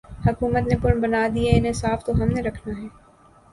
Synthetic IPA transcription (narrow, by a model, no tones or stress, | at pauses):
hɐkuːmət̪nepʊɾɳbɐnaːd̪ieɪnesaːft̪oɦɐmneɾɐkʰnaɦɛː